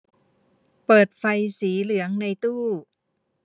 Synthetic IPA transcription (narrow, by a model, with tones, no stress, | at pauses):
pɤː˨˩t̪̚fa˧jsiː˩˦lɯ˩˦əŋna˧jt̪uː˥˩